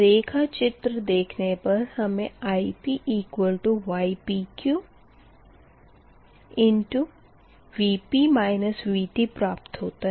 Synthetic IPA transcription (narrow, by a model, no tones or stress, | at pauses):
ɾeːkʰat͡ʃɪt̪ɾəd̪eːkʰnepɐɾhɐmẽaːipiʔiːkwəlʈuʋaːipikju | ɪ̃ɳʈu | ʋiːpimaːɪnəsʋiːʈipɾaːp̚t̪ɦoːt̪aɦ